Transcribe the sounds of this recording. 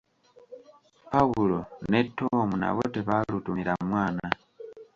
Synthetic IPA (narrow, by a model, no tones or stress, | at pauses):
pawulonetʰːomuna̰βoteβalutumiɾamwaːna